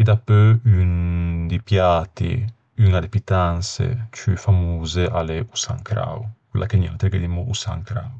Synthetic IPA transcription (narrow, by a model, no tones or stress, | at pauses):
id̪apøynd̪ipjat̪ḭ | yŋad̪epit̪ansḛt͡ʃyfamuːzeʔaleusa̰ŋkɾa̰wkwelːʔa̰keɲanat̪eɾɡed̪imuʔusa̰ŋkɾa̰w